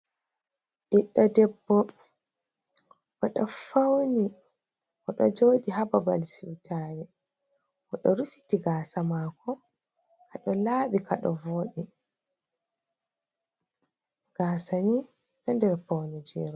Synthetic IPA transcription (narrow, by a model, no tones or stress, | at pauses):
ʔiɗːadɛbːɔ | ʔɔɗɔfawni | ɔɗɔd͡ʒoːɗiɦababa̰lsiwtʰaːjɛ | ʔɔɗɔɾufi̥tiɡaːsamaːkɔ | kaɗɔlaːɓikʰaɗɔ̰voːɗi | ɡ̥aːsaɲunandɛɾfawnid͡ʒɛːɾɔ